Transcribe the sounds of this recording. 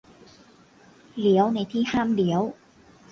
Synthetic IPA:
li˩˦əwna˧˩jt̪ʰiː˥˩haː˥˩mli˩˦əw

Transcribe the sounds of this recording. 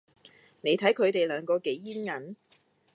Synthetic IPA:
ne˨˧jt̪ʰɐ˨˥jkʰɵ˨˧ɥt̪e˨jlœː˨˧ŋkɔː˧ke˨˥jːiː˥nŋɐ˨˥n

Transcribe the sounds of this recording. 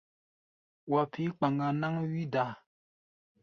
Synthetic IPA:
wa˨pʰi˦k͡pa˨ŋɡa˨na˦ŋwi˦da˨

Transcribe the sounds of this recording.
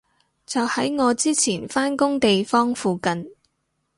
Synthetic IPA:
t͡sɐ˨whɐ˨˥jŋɔː˨˧t͡siː˥t͡sʰiː˨˩nfaː˥nkʊ˥ŋt̪e˨jfɔː˥ŋfuː˨kɐ˨n

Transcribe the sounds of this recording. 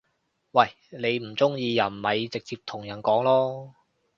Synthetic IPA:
wɐ˥˨˩j | le˨˧jm̩˨˩t͡sʊ˥ŋjiː˧jɐ˨˩nmɐ˨jt͡sɪ˨k̚t͡siː˧p̚t̪ʰʊ˨˩ŋjɐ˨˩nkɔː˨˥ŋlɔː˥

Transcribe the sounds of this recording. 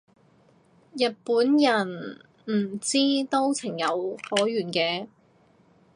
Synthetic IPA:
jɐ˨t̚puː˨˥njɐ˨˩n | m̩˨˩t͡siː˥t̪o˥wt͡sʰɪ˨˩ŋjɐ˨˧whɔː˨˥jyː˨˩nkɛː˧

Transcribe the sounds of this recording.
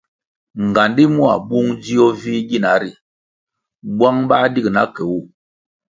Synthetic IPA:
ŋ˨ɡa˨ndi˦mu˦a̰˨ɓu˦ŋd͡ʒi˦ɔ˦vi˦ɡi˦˨na˨˦ɾi˦ | bwa˦ŋɓa˦di˦kna˦kɛ˨wu˦˨

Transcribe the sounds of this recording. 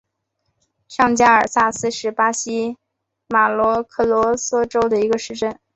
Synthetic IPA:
ʂɑ˥˧ŋt͡ɕja˥ə˞˨˩sa˥˩sɹ̩˥ʂɻ̩˥˩pa˥ɕi˥ | ma˨˩lwɔ˧˥kʰɤ˥˩lwɔ˧˥sɔ˥ʈ͡ʂo˥ʊd̪ə˨i˧˥ɡə˧ʂɻ̩˥˧ʈ͡ʂə˥˩n

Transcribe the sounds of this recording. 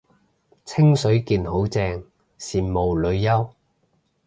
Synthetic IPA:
t͡sʰɪ˥ŋsɵ˨˥ɥkiː˧nho˨˥wt͡sɛː˧ŋ | siː˨˩nmo˨wlɵ˨˧ɥjɐ˥w

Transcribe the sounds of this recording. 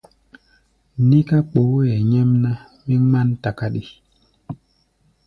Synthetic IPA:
ni˦ka˦k͡po˨˦ɛ˨ɲɛ˦mna˦ | mi˦ŋa˦nta˨ka˦ɗi˦

